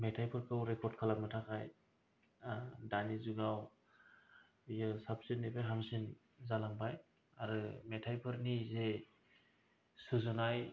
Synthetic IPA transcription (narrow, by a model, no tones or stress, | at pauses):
mɛtʰajpʰɯɾkʰɯwɾɛkʰɔɾd̚kʰalak̚nɯtʰakʰaj | danizuɡaw | jɯsap̚sinːebeɦamsin | zalaŋbaj | aɾɯmɛtʰajpʰɯɾnize | sɯzɯnaj